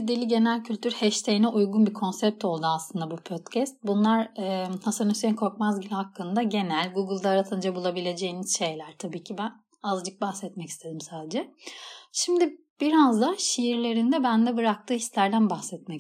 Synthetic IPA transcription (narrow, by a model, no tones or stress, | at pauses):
d̪ilʲiɟe̞nælʲcʰylʲt̪ʰyɾhɛʃt̪ʰejinɛʔujɡunbikʰo̞nsɛp̚t̪o̞lˠd̪uaslˠɯnd̪abupʰot̪cʰɛst̪̚bunlˠaɾɛːh̪asɯnysejinkʰo̞ɾkmazɟilʲihakːɯnd̪aɟe̞nælʲɡuɡɯlˠd̪aːɾat̪ʰɯnd͡ʒabulˠabilʲe̞d͡ʒe̞jiniz̥ʃe̞jlʲæɾ̥t̪ʰabiːcʰibæn | azˠd͡ʒɯk̚baxsɛt̪mɛci̥st̪ʰe̞d̪imsaːd̪ed͡ʒɛʃimd̪i | b̥iɾazd̪aʃijiɾlʲe̞ɾind̪ɛbænd̪ɛbɯɾak̚t̪ʰɯːhi̥slʲæɾd̪ænbaxsɛt̪̚mɛ